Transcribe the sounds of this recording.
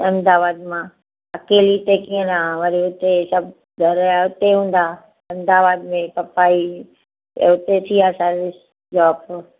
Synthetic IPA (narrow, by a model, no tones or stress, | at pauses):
ɐ̃md̪aːʋaːd̪mã | ɐkeːliʊt̪ekiːə̃nãʋɐɾiʊt̪esɐb | ɡʱɐɾaʊt̪eɦũːn̆d̪aː | ɐ̃md̪aːʋaːd̪mẽpɐpaːḭ | ʊt̪et̪ʰiaːsaɾɪs | d͡ʒaːpo